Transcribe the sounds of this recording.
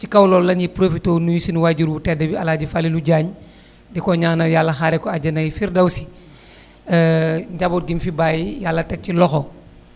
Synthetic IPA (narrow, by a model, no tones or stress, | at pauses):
cikɐwlɔːlːɐnjipɾofitoːnujusinwaɟuɾwutɛdɐbialaːɟifaliluɟaːɲ | dɛkɔɲaːnɐjalːɐxaɾɛkɔaɟɐnɐjifiɾdɐwsi̥ | ɲɟabot̚ɡimfibaːjijalːɐtɛk̚cilɔxo